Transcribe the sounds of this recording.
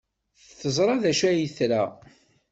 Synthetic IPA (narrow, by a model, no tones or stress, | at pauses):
θθəzˤɾˤɑðæʃæjəθɾæ